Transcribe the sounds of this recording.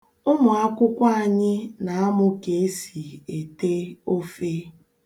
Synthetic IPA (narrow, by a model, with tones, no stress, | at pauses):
ʊ˦mʊ˨a˦kʷʊ˦kʷa˦a˨ɲɪ˦na˨a˦mʊ˦ke˨e˦si˨e˨te˦o˦fe˦